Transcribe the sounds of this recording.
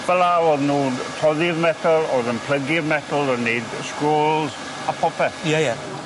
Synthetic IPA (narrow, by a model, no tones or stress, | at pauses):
b̥ɛlˠaɔðnuːntʰɔðɪvmɛtʰəlˠɔðənpʰl̥əɡɪvmɛtʰəl̩ˠənejdskɾoːlˠz | apʰɔpʰɛθjɛjɛ